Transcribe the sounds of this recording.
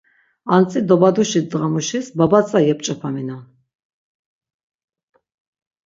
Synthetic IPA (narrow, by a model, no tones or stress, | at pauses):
ant͡sʼid̪ɔbad̪uʃid̪ʁamuʃisbabat͡sʼajɛp̚ʼt͡ʃʼapʰamina